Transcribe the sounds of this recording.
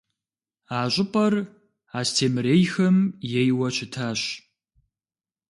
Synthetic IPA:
aːɕʼɪpʼɐr | aːstʰeːmɨɾeːjxɐmjɛjwɐɕʰɪtʰaːɕ

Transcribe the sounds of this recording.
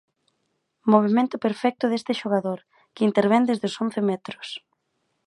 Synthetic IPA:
moβ̞emẽnt̪ʊpeɾfɛk̚t̪ʊðest̪ɪʃoɣaðoɾ | kɪint̪eɾβɛnd̪ezðɪʊson̟θemɛt̪ɾʊs

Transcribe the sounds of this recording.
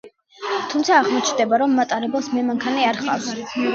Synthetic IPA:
t̪ʰumt̪sʰaːʁmɔt͡ʃʰnd̪ɛbaɾɔmːat̪ʼaɾɛbɛlˠsmɛmaŋkʰaniaɾχa̰vs

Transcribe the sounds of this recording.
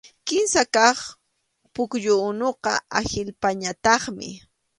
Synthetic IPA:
kɪnsakɑχ | pʊkʎʊnoqɑ̰axɪlpaɲat̪ɑχmɪ̰

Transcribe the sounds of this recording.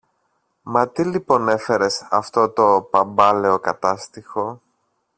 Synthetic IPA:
mɐt̪ilipo̞ne̞fe̞ɾe̞sɐft̪o̞t̪o̞pɐmbɐle̞o̞kɐt̪ɐst̪ixo̞

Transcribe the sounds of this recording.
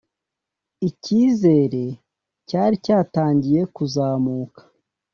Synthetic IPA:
iciːze̞ɾe̞ | caːɾicaːtaːɲɟije̞kuzaːmuːkḁ

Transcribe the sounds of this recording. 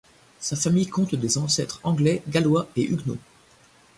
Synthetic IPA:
safamijkɔ̃t̪d̪ezɑ̃sɛt̪χɑ̃ɡlɛɡalwaeʔyɡno̰

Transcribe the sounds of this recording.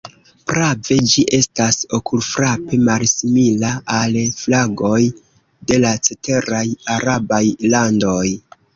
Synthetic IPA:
pɾave̞d͡ʒiʔe̞staso̞kulfɾape̞malsimilaːlflaɡo̞j | de̞lat͡se̞te̞ɾajaɾabajlando̞j

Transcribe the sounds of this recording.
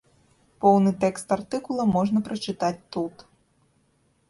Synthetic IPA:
pɔwnɨt̪ɛkst̪art̪ɨkulˠɐmɔʐnɐpɾɐt͡ʂɨt̪at͡sʲt̪ut̪

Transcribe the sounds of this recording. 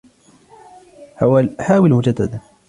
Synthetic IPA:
ħawħaːwɪlmʊd͡ʒad̪ːad̪a

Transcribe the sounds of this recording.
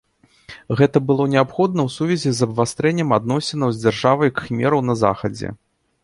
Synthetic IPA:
ɣɛt̪ɐbɨlˠɔnʲɛapxɔd̪̚nɐwsuvʲɛzʲizɐbvast̪ɾɛnʲːɛmad̪nɔsʲɛnɐwzʲd͡zʲarʐavɐjkɨ̥mʲɛɾɐwnɐza̰xɐd͡zʲɛ̰

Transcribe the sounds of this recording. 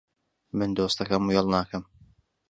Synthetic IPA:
mɨnd̪oːst̪ɐkɐmujɛlˠnaːkɐm

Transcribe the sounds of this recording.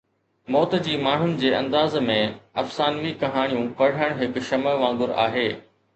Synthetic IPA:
mɔːt̪d͡ʑiːmaːɳ̤ʊnɪ̆d͡ʑeːɐ̰̃nd̪aːzmẽɐfsaːnʋikɐɦaːɽ̃ijũpɐɽ̤əɽ̃ɦɪkʃɐməʋãːŋɡʊɾa̰ːɦeː

